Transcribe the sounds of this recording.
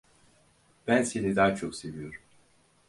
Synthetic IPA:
b̥ænse̞nid̪aːt͡ʃʰo̞kse̞vijo̞ɾum

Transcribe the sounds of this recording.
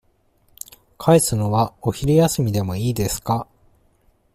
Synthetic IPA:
kʰaesɨno̞βao̞çiɾʲijasɨmʲid̪e̞mo̞iːd̪e̞sɨ̥ka

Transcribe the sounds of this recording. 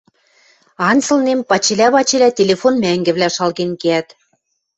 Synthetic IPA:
ɑnt͡sɤ̆lnempɑt͡ɕelʲæβɑt͡ɕelʲæt̪ʲelʲefonmæŋɡɘ̆βlʲæʃɑlɣenkeæt̪

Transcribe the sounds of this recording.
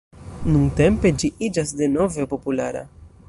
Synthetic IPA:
nuŋte̞mpe̞d͡ʒiʔid͡ʒasde̞no̞ve̞po̞pula̰ɾa̰

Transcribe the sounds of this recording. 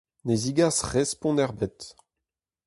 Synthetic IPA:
neziɡasʁɛspɔ̃nɛʁbɛt̪

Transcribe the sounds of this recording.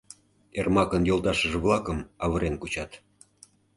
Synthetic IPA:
ermɑkənjolˠt̪ɑʃəʒĕβlˠɑkəmɑβə̆ɾenkut͡ɕɑt̪

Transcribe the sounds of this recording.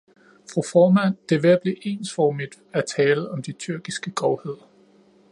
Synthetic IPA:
fʁufɒːmæn̰d̥e̝ʋeɐb̥le̝ʔe̝̰ːnsfɒːmid̥ | æt͡sʰɛːləɒ̽md̥it͡sʰyɐɡ̥isɡ̥əɡ̥ɒʊhe̝ð̰ˠɐ

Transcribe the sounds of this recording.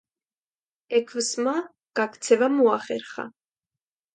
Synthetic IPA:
ɛkʰvəsma | ɡ̥ak̪ʰt͡sʰɛvamuaχɛɾχa̰

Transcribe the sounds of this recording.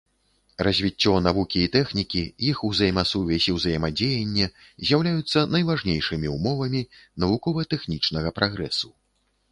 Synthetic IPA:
rɐzʲvʲit͡sʲːɔnavukʲiːt̪ɛxnʲikʲijixuzɐjmasuvʲɛsʲiwzɐjmad͡zʲejɐnʲːɛ | zʲjawlʲajut̪sːɐnɐjvaʐnʲejʂɨmʲiumɔvɐmʲinɐvukɔvɐt̪ɛxnʲit͡ʂnɐɣɐpɾʔaɣɾɛsu̥

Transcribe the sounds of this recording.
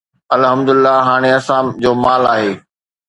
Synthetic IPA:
ɐlɦɐmd̪ʊlɪlːaɦaːɽ̃eɐsãːd͡ʑoːmaːlaːɦeː

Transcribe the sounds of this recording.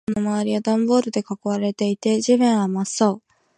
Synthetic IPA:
nomaβ̞aɾʲiad̪ãmbo̞ːɾɯ̟d̪e̞kakɯβaɾe̞t̪e̞it̪e̞ʑiβẽɰ̃amasoː

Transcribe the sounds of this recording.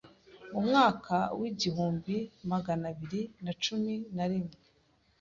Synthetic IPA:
umŋaːkawiɟihuːmbimaɡanaβiɾinat͡ʃuminaɾimŋe

